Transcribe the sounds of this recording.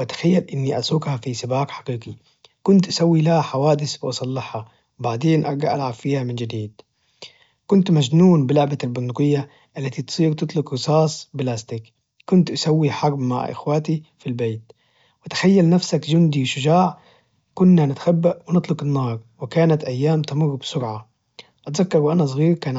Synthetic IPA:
wʔat̪ḁxajːalʔɪnːiʔasˤuːkhafisɪbaːkħḁqiːqi | kʊnt̪ʔḁsawːilahaħawaːd̪ɪsbɪʔɑsˤɑlːɪħha | wbaʕd̪eːnʔɑɾˤɡaʔa̰lʕabfiːhamɪnd͡ʒɪd̪iːd̪̥̚ | kʊnt̪mad͡ʒnuːnbɪlʊʕbalbʊnd̪ʊqɪjːa | ʔalːat̪it̪sˤiːɾt̪ɨt̪ˤlʊkɣɨsɑːsˤbɪlaːst̪ɪk | kːʊnt̪ʔasawːiħɑɾˤbma̰ʕʔɪ̰xwaːt̪ifilbeːt̪ | wɪt̪ḁxajːalnafsakd͡ʒʊnd̪iwʃʊd͡ʒaːʕ | kʊnːanɪt̪ḁxabːaʔwɪnɨt̪ˤlʊqɪnːɑːɾˤwɪkaːnat̪ʔajːaːmt̪amʊrːbsʊɾʕa | ʔat̪zakːɑɾwʔanas̬ˤɣiːɾkaːn

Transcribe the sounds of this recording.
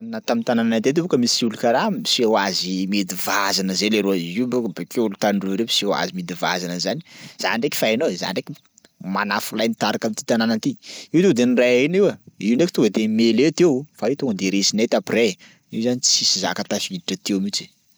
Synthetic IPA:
nat̪amint̪anananad̪et̪̬ebukəmisiulukaɾamisiawazimed̪ivazanəzeleɾuaibukəbekeulut̪anɖ͡ʐuɾemi̥siawa̰zimid̪iva̰zanəzani̥z̥a̰ɳɖ͡ʐeki̥faenoeza̰ɳɖ͡ʐeki | manafulajnit̪aɾakamint̪i̥t̪ananant̪iiwd̪ewd̪enirainiwəiwɳɖ͡ʐeki̥t̪uɡad̪emelet̪ewfait̪oŋəd̪eɾesinet̪apire | iwzanit͡sisiza̰kat̪afid̪iʈ͡ʂət̪ewmit͡ʃi̥

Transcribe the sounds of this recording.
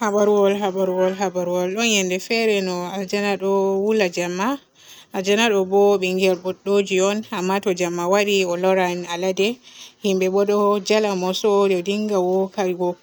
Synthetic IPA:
habaɾuwɔlɦabaɾuwɔlɦabaɾuwɔlɗɔnjɛndɛfɛɾɛnɔald͡ʒanaɗɔwulad͡ʒamːa | ad͡ʒanaɗɔbɔɓɛŋɡɛlbɔɗod͡ʒiɔnamːatɔd͡ʒamːawaɾiɔlɔɾanaladɛhimbɛɓɔɗɔd͡ʒalamɔsɔdɛdiŋɡawɔkaɡɔ

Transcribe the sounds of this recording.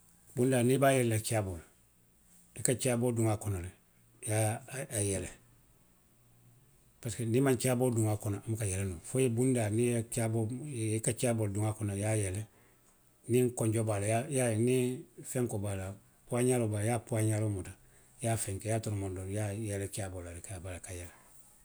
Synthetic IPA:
bundaːnibaːjɛlɛlat͡ʃiabol | ikat͡ʃaboduŋakɔnolɛ | jaːjɛlɛ | paskenimãɲt͡ʃaboduŋakɔnaamukajɛlɛnufojebundaniet͡ʃaboikat͡ʃabolduŋakɔnajajɛlɛ | niŋkɔ̃ɲɟobalajajanĩfɛ̃ŋkobala | puaɲalobajapuaɲalomuta | jaːfɛ̃ŋkɛjaːtɔɾmɔndoɾjajɛlɛt͡ʃabolalikabalakajɛlɛ

